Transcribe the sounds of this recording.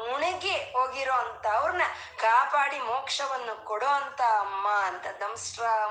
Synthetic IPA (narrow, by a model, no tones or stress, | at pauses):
muɳeɡeɦoːɡiɾoːɐnt̪ɐːʋɐɾɐnɐ | kaːpaːɽimoːkʂɐʋɐnːukɔɽoːɐnt̪ɐːmːaɐnt̪ɐd̪ɐmsʈɾaː